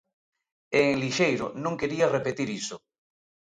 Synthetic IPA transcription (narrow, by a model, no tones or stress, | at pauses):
eŋliʃejɾo̰nõŋkeɾiarepet̪iɾiso